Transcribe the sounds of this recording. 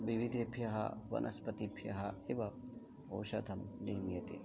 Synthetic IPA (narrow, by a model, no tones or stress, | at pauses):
ʋiʋid̪ʱebʱjɐɦɐ̰ʋɐ̰nʔɐspɐt̪ipʰjɐɦɐeʋɐ | oːʃɐt̪ʰɐmniːmjɐt̪ḭ